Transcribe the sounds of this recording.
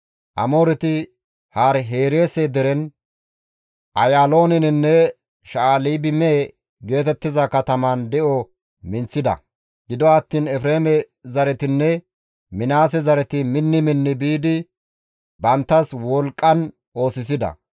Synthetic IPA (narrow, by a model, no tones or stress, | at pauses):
ʔɐ̰mo̞ːɾɪt̪ɪ | haːɾɦe̞ːɾeːsed̪ɛɾɛn | ʔɐjaːlo̞ːnɪnɪnːɛ | ʃaaːliːbɪme | ɡe̞ːt̪ɛt̪ːɪzɐkɐt̪ɐmand̪ɛʔɔ | mɪnt͡sːɪd̪ɐ̰ | ɡɪd̪ɔɐt̪ːiːnɛfɾe̞ːmɛ | zɐɾɛt̪ɪnːɛ | mɪnaːs̬ɛzɐɾɛt̪ɪmɪnːɪmɪnːɪbiːd̪ɪ | bɐnt̪ːɐswɔlkʼːɐn | ʔo̞ːsɪs̬ɪd̪ɐ̰